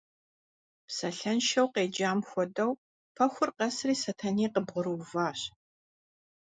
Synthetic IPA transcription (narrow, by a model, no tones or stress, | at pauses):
psɐɬɐnʃɐwqeːd͡ʒaːmxʷɔdɐw | pʰɐxʷʊrqɐsriːsɐtʰɐniːqəbʁʊɾɨvaːɕ